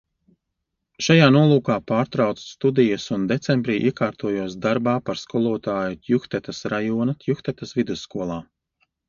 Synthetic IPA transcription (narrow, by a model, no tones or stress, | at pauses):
ʃajaːnuɔlˠuːkaːpaːɾt̪ɾawt̪sst̪ud̪ijɐsund̪et̪sɛmbɾiːʔḭɛkaːɾt̪uɔjuɔsd̪aɾbaːpaɾskulˠuɔt̪aːjut̪ʲjuxt̪ɛt̪asɾajuɔnat̪juxt̪ɛt̪ɐsvid̪usːkuɔlˠaː